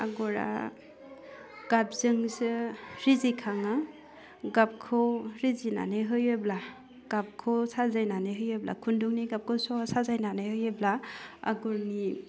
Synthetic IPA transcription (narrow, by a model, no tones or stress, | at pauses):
a̰ɡɔɾa̰ | ɡ̥ap̚zɯŋsɯɾizikʰaŋɯ | ɡap̚kʰoɾizina̰nɯɦɯjɯbla | ɡ̥ap̚kʰosazajnanɯɦɯjɯbla̰kʰunduŋniɡap̚kʰosɔasazajnanɯɦɯjɯblaa̰ɡɔɾni